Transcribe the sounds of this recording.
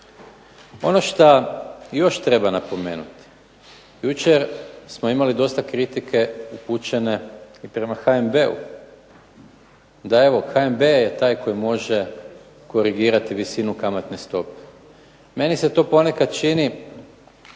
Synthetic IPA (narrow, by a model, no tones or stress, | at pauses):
o̞no̞ʃt̪ajo̞ʃt̪ɾe̞banapo̞me̞̰ːnut̪i̥ | jut͡ʃeɾsmo̞imalid̪o̞st̪akɾit̪ikʰe̞uput͡ʃene̞ipɾe̞maxaembe̞ṵ | d̪ae̞ʋo̞xaembejet̪aːjko̞jimo̞ʒe̞ | ko̞ɾiɡiːɾat̪iʋisinukamat̪nest̪o̞pe̥ | me̞nise̞t̪o̞ːpo̞ne̞kad̪t͡ʃini